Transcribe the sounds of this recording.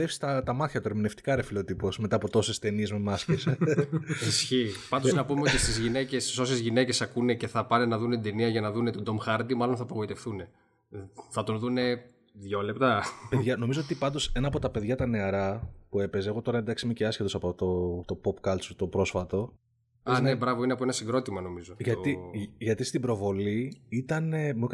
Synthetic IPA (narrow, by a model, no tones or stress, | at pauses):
efsi̥st̪ɐt̪ɐmɐθçɐt̪oeɾmine̞ft̪i̥kɐɾefilo̞t̪ipo̞sme̞t̪ɐːpo̞t̪o̞sest̪e̞niezmemɐskes | isçipɐnd̪znɐpumeot̪ist̪izʝine̞cesso̞sezʝine̞ce̞sɐkune̞ce̞θɐpɐnenɐðunet̪id̪eniɐʝɐnɐðune̞t̪ud̪o̞mxɐɾd̪imɐlo̞nθɐpoɣo̞it̪e̞fθune̞ | θɐt̪unðune̞ | ðʝo̞le̞pt̪ɐpeðʝɐno̞mizoot̪ipɐnd̪o̞se̞nɐːpo̞t̪ɐpe̞ðʝɐt̪ɐne̞ɐɾɐpue̞pe̞zeɣo̞t̪o̞ɾɐe̞nd̪ɐksimiceɐsçet̪osɐpo̞t̪o̞t̪o̞popkɐlt̪sut̪o̞pɾo̞sfɐt̪o̞ | ɐnebɾɐvo̞ineɐpoenɐsiɡɾo̞t̪imɐno̞mizoʝɐt̪iʝɐt̪ist̪ibɾo̞vo̞liit̪ɐnemuk